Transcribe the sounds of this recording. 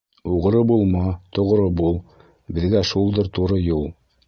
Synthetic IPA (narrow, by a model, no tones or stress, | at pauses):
uʁ̆ɾɤbulˠmɑt̪ŏʁɾɤbulˠ | bɘ̆ðɡæʃulˠd̪ɤɾt̪uɾɤjulˠ